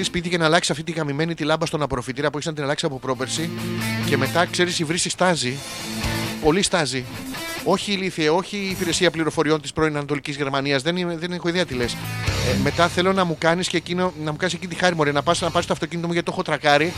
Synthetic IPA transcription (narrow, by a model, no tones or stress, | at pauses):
ispit̪icenɐːlɐksi̥sɐft̪it̪iɣɐmime̞nit̪ilɐmbɐst̪o̞nɐpɾo̞fit̪iɾɐpueçznɐt̪inɐlɐksiɐpo̞pɾo̞pe̞ɾsice̞me̞t̪ɐkse̞ɾisivɾisist̪ɐzi | po̞list̪ɐzio̞çiːliθieo̞çiːpiɾe̞siɐpliɾo̞fo̞ɾio̞nt̪i̥spɾo̞inɐnɐt̪o̞licizʝe̞ɾmɐniɐzðenimðenexoiðiɐt̪ile̞sme̞t̪ɐθe̞lo̞nɐmukɐniscecinonɐmukɐnis̬ecinit̪ixɐɾimoɾiɐnɐpɐsnɐpɐsist̪ɐft̪o̞cinit̪o̞muʝɐt̪it̪o̞xo̞t̪ɾɐkɐɾi